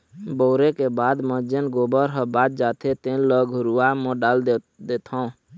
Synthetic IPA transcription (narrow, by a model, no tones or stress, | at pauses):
bɔːɾekebad̪məd͡ʒənɡobəɾɦəbad̪̚d͡ʒat̪ʰet̪eləɡʱuɾuamɔ̃ɖal | d̪et̪ʰə̃